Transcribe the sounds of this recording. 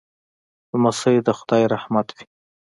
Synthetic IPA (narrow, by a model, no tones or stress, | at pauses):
masəjd̪əxʊd̪ɑjɾahmat̪wi̥